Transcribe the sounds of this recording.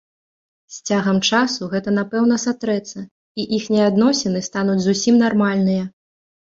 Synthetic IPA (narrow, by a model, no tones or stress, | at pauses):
sʲt͡sʲaɣɐmt͡ʂasuɣɛt̪ɐnapɛwnɐsat̪ɾɛt̪sɐ | iʔixnʲɛad̪nɔsʲɛnɨst̪an̪ud͡zʲzusʲimnarmalʲnɨjɐ